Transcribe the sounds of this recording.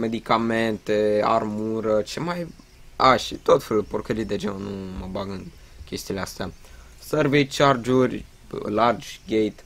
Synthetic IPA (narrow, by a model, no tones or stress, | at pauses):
me̞d̪ikame̞nt̪ea̰rmuɾət͡ʃemaj | aʃit̪o̞t̪feluporkəɾid̪ed͡ʒennuməbaɡɨn | kʲe̞st̪ileast̪ea | sərvet͡ʃard͡ʒurʲ | lard͡ʒɡejt̪